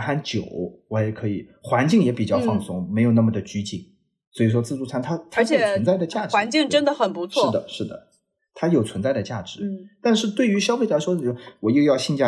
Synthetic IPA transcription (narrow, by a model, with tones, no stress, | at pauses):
xa˥nt͡ɕjo˨˩˦ʊwɔ˧˥jɛ˨˧˥kʰɤ˧˥i˨˩˦xwa˧˥nt͡ɕi˥˩ŋjɛ˧˥pi˨˩t͡ɕjɑ˥˧ʊfɑ˥˩ŋsʊ˥˩ŋme˧˥ɪjo˨˩ʊna˥˩mə˩d̪ə˩t͡ɕy˥t͡ɕi˥˩ŋ | swɔ˧˥i˨˩ʂ̬wɔ˥t͡sɹ̩˥˧t͡su˥˩t͡sʰa˥˩nt̪ʰa˥t̪ʰt͡ɕʰɛ˨˩˦ə˧˥nt͡sa˥˩ɪd̪ə˩t͡ɕja˥˩ʈ͡ʂwa˧˥nt͡ɕi˥˧ŋʈ͡ʂə˥nd̪ə˨xə˨˩npu˧˥t͡sʰʂwɔɻ̩˥˩d̪ə˩ʂɻ̩˥˩d̪ə̰˩ | t̪ʰa˥jo˨˩ʊt͡sʰwə˧˥nt͡sa˥˩ɪd̪ə˩t͡ɕja˥˩ʈ͡ʂɻ̩˧˥˦t̪a˥˧nʂɻ̩˥˧t̪we˥˩y˧˥ɕjɑ˥ʊfe˥˩ɪla˧˥ɪʂwɔ˥˧wɔ˨˩i˥˧jɑ˥˧ʊɕi˥˧nt͡ɕja˥˧˩